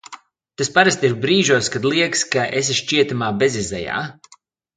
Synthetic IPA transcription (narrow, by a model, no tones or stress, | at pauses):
t̪aspaɾast̪iɾbɾiːʒuɔskad̪lˠiɛkskaʔes̬iʃt͡ʃiɛt̪amaːbezizɛ̰ja̰ː